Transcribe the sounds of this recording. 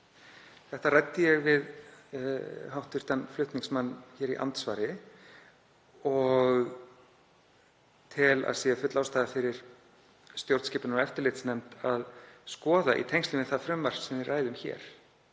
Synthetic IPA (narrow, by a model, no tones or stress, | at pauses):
θɛht̪arajt̪ːɪjɛɣvɪð | ɦawht̪ʏɾ̥t̪anflʏht̪niŋksmanːçɛːɾḭʔa̰nt̪svaːɾɪ | ɔɣ | t̪ʰɪla̰ðsiːɣafʏt̪lawst̪aːðafɪɾɪɾ̥ | st̪jowɾt̪scɪːpʏnaɛft̪ɪɾlɪht̪snɛmt̪aðskɔːðaʔḭt̪ʰejŋst̪ʏɪnɪθaðfɾʏmvar̥sɛmðɪrːaːjðʏmçɛ̰ːɾ̥